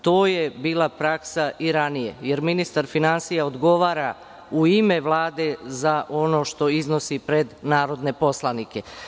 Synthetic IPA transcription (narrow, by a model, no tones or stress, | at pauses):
t̪o̞ːje̞biːlˠapɾaksaʔiɾanijejeɾminist̪aɾfinansijaod̪ɡo̞ʋaːɾa | uime̞ʋlˠaːd̪e̞zaʔo̞no̞ːʃt̪o̞izno̞sipɾed̪naːɾo̞d̪ne̞po̞slˠanike̞